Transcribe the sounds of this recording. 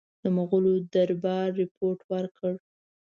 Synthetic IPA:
d̪əmaɣʊlod̪aɾbɑɾːɪpʰoɾʈwəɾkəɽ

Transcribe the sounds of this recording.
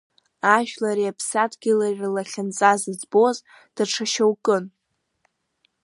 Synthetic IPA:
aʒᶣlaɾiapʰsatʰɡʲɪlarirlaχʲant͡sʼazɨd͡zbo̞z | d̥aʈ͡ʂʰaʃawkʼɨn

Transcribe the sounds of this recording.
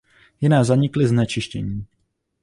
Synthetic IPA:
jɪnazaɲɪklɪznɛt͡ʃɪʃcɛɲiː

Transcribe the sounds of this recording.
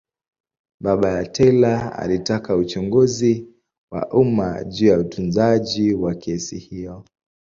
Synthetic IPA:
ɓaɓajatʰɛlaa̰litakaut͡ʃuŋɡuzi | wa̰ʔuma̰ʄuːjautunzaʄiwakʰɛsḭhijɔ

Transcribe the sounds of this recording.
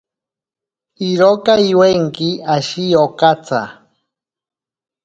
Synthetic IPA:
iɾokaiweŋkiaʃijokat͡sa̰

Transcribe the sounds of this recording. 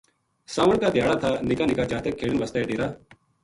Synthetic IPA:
saːʋəɳkaːd̪ʱjaːɽaːt̪ʰaːnɪkaːnɪkaːt͡ʃaːt̪ʰekʰːeːɽɪnʋəst̪aːeːʈeːɾaː

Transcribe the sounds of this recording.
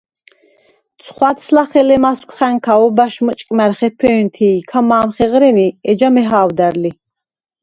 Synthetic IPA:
t̪sʰχwat̪sʰlaχɛlɛmaskʷʰχɛŋkʰaɔbaʃmət͡ʃʼkʼmɛɾχɛpʰɛːnt̪ʰiːkʰamaːmχɛʁɾɛniɛd͡ʒamɛɦaːwd̪æɾli

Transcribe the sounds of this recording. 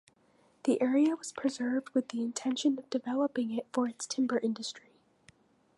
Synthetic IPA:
ðiʔɛɹiɨwʌz̥pʰɹ̥ɨzɜ˞vd̚wɨðiɨ̃ntʰɛ̃nʃɨ̃nʌvdɨvɛlˠəpɪ̃ŋɪtfə˞ɨtstʰɪ̃mbə˞ʔɪ̃ndɨstɹ̥i

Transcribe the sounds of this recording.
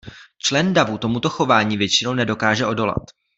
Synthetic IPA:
t͡ʃlɛndavut̪o̞mut̪o̞xo̞vaːɲiːvjɛt͡ʃɪnownɛdo̞kaːʒɛʔo̞do̞la̰t̪

